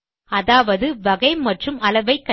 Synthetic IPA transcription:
ɐðaːʋɐðɯʋɐɣɐɪmɐʈrɯmɐlɐʋɐɪkːɐ

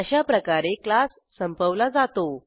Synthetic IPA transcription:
əɕapɾəkaɾeklasːəmpəʋlad͡zat̪o

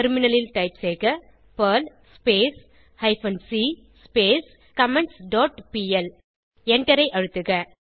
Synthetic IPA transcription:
ɐɾmɪnɐlɪlʈɐɪpseːɣɐ | pɐl | speːs | hɐɪfɐnsi | speːs | kɐmɛɳʈsɖoːʈpiɛl | ɛɳʈɐɾɐɪʔɐɻɯt̪ːɯɣɐ

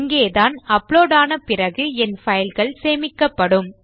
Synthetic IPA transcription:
ŋɡeːðaːnɐpɭoːɽaːnɐpɪrɐɣɯɛnfɐjɪlɣɐɭseːmɪkːɐpːɐɽɯm

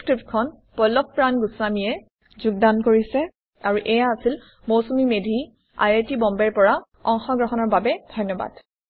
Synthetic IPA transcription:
skɹiptkʰɔn | pɔlɔk̚pːɹanɡusamijɛ | zuɡ̚dankoɹisɛ | aɹuʔɛjaːsil | mowsumimedʱi | a̰jetibɔmbɛɹpɔɹa | ɔŋxɔɡɹɔɦɔnɔɹbabɛd̥ʱɔjnːɔba̰d̥

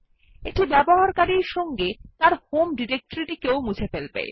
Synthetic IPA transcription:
eʈibɛboɦaɾkaɾiɾʃɔŋɡet̪aɾhomɖiɾek̚ʈoɾiʈikewmud͡ʑʰʱefelpɛ̰e

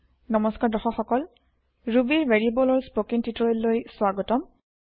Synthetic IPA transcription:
nɔmɔskaɹdɔxɔxɔkɔl | ɹubiɹveɹibɔlɔɹspokintitɔɹelːojswaɡɔtɔm

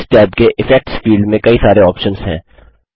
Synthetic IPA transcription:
st̪ɪaːd̪keʔɪfɛk̚ʈspiːɖmẽkɐisaːɾeɔːpʃənzɦɛ̰̃ː

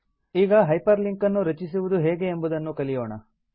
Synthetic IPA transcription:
iːɡɐɦɐjpɐɾliŋkɐnːuɾɐt͡ʃisiʋud̪uɦeːɡe̞ːmbud̪ɐnːukɐlijoːɳɐ̰

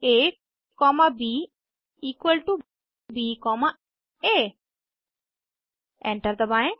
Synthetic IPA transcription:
eː | kɔmabiː | iːkwəlʈu | biːkɔma | e | ɛ̃ɳʈəɾd̪əbaj̃

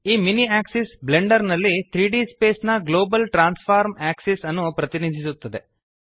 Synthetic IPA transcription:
iːminiaːksisbleɳɖɐɾnɐlːit̪ʰɾiːɖiːspeːsnɐɡloːbɐlʈɾaːnspʰaːɾmæːksisɐnːupɾɐt̪inid̪ʱisut̪ːɐd̪e

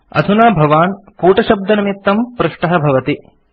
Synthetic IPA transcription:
ɐ̰d̪ʱunaːbʱɐʋaːnkuːʈɐʃɐb̚d̪ɐnɐmit̪ːɐmpɾuʂʈɐɦɐbʱɐʋɐt̪i

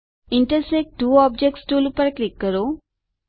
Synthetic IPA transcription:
ɪɳʈəɾsek̚ʈuːɔːb̚d͡ʒek̚ʈsʈuːlpəɾklikːəɾo

